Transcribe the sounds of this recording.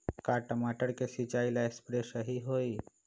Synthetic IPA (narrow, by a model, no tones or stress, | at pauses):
kaːʈəmaːʈəɾkesit͡ʃaːilaespɾeʃəɦiɦoːi